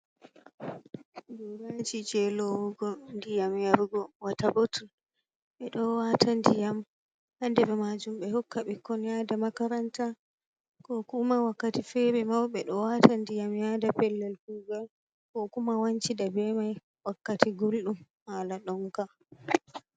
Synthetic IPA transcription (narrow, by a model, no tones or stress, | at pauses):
duɾad͡ʒid͡ʒɛlɔwuɡɔndijamjaɾɡɔwatabotul | ɓɛɗɔwatʰandijam | handɛɓɛmad͡ʒumɓɛhɔkʰːaɓikːɔnjadamakaɾanta | kɔkumawakːatifɛbɛmawɓɛɗɔwatandijamjadapɛlːɛlkuːɡal | kɔkumawaɲt͡ʃidabɛmaj | wakːatiɡolɗum | halaɗɔŋka